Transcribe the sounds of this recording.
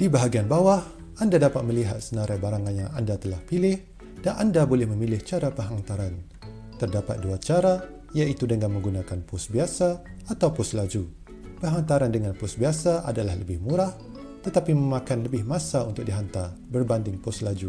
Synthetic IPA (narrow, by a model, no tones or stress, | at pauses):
d̥ibaɦaɡianbawah | ʔandadapat̪̚məliɦat̪̚sənaɾajbaɾaŋanjaŋa̰ndat̪əlahpilɪh | d̥anʔandabolɛhməmilɪht͡ʃaɾapəɦaŋt̪aɾan | t̪ərdapa̰t̪̚duat͡ʃaɾa | jait̪udəŋaŋmə̃ŋɡunakanpʊsbiasaːt̪awpʊslad͡ʒu | pəɦant̪aɾandəŋanpʊsbiasaʔa̰dalahlə̰bɪhmuɾah | t̪ət̪apiməmakanləbɪhmãsaunt̪ʊk̚diɦant̪arbərbandɪŋpʊslad͡ʒu